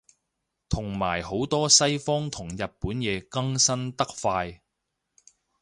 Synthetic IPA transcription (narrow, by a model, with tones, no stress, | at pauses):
t̪ʰʊ˨˩ŋmaː˨˩jho˨˥wt̪ɔː˥sɐ˥jfɔː˥ŋt̪ʰʊ˨˩ŋjɐ˨t̚puː˨˥njɛː˨˧kɐ˥ŋsɐ˥nt̪ɐ˥k̚faː˧j